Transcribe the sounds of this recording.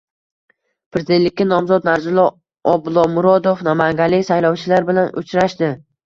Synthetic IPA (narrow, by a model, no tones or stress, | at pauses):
pʰɾezɪd̪ent̪lɪkʲːanɒmzɒt̪naɾzɪlˠɒ | ɒbʊlˠɒmʊɾɒd̪ofnamaŋɡʲalːɪkʲsajlɒwt͡ʃʰɪlaɾbɪlanʔʊ̰t͡ʃʰɾaʃd̪ɪ